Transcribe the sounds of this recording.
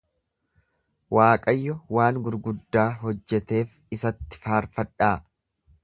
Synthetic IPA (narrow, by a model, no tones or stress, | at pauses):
waːkʼɐjːɔwaːnɡʊɾɡʊd̪ːaːɦɔd͡ʒːɛt̪e̞ːf | ɪsɐt̪ːɪ̥faːɾfɐᶑaː